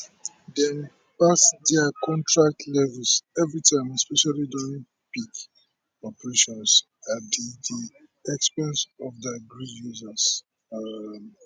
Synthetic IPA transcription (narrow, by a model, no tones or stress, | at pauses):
dɛ̃n | pasdɛakɔ̃ntɹak̚tʰlɛvɛlsɛvɹitʰãɪ̃mɛspɛʃalidɔ̃ĩŋ | pik | ɔpɹeʃɔ̃ns | adidi | ɛkspɛ̃nsɔfdɛɡɹijuzas | m